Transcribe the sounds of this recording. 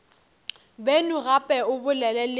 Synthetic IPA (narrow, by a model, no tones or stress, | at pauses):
benʊɣapʼɛʊbʊlɛlɛl